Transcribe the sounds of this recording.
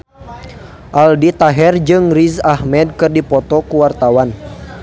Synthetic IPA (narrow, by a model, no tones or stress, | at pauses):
ʔaldit̪aɦɛrd͡ʒɨŋrizahmɛd̚kɨrdipɔt̪ɔkuwart̪awan